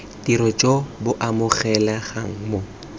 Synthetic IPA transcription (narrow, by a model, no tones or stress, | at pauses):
tiɾɔt͡ʃʼobʊʔamʊχɛlaχa̰ŋ̩mo